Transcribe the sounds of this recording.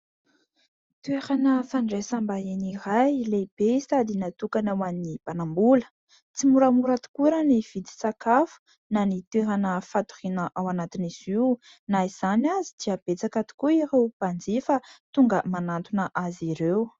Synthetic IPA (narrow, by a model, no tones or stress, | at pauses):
t̪ueɾanəfaɳɖ͡ʐesambaenirajleb̥esad̪inat̪ukanawannib̥anambulə̥ | t͡simuɾamuɾat̪u̥kuɾaniv̥id̪i̥sakafu̥ | nanit̪weɦanəfat̪u̥rinəʔawanat̪iniziw | naiz̥anazid̪iab̥et͡sakat̪i̥kuiɾewb̥and͡zifət̪uŋɡəmanant̪unəʔaziɾew